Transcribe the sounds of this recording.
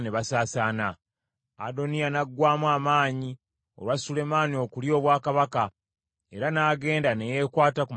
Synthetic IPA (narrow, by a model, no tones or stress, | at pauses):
ne̞βasaːsaːna | a̰do̞nijanaɡːwaːmwaːmaːɲi | o̞̰lwasule̞maːnio̞kuljo̞ːβwaːkaβaka | e̞ɾanaːɡe̞ːndane̞je̞kwaːtakum